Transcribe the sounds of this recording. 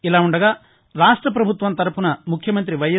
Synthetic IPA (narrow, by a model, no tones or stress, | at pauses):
ilaːuɳɖɐɡaː | ɾaːʂʈɾɐp̬ɾɐbʱut̪ʋɐnt̪ɐɾɐpunɐmukʰjɐmɐnt̪̬ɾiʋɐjɐ